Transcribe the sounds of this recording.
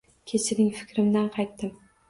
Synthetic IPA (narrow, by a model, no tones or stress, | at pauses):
kʲʰet͡ʃʰɪɾɪŋfɪ̥kʲɾɪmd̪anqʰɑjt̪ːɪm